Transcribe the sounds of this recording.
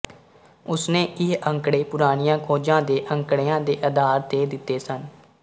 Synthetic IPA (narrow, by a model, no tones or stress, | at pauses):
ʊsnẽːʔɪɦəŋkɽeːpʊɾaːɽ̃ijãːkʰoːd͡ʒãːd̪eːʔəŋkɽeːãːd̪eːʔəd̪ʱaːɾt̪eːd̪ɪt̪ːeːsən